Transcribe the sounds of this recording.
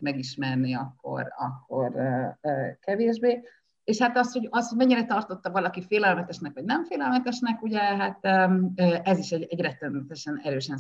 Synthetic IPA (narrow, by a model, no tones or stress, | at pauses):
mɛɡiʃmɛrniɒkːo̞̰rɒkːo̞̰rː | kɛveːʒbeː | eːʃhat̪ɒsho̞ɟɒshoɟmɛɲːiɾɛt̪ɒrt̪o̞t̪ːɒvɒlɒkifeːlɛlmɛt̪ɛʃnɛkʋɒɟnɛɱfeːlɛlmɛt̪ɛʃnɛkuɟɛɦat̪øɛziʃɛɟɛɟrɛt̪ønɛt̪ɛʃɛnɛɾøːʃɛn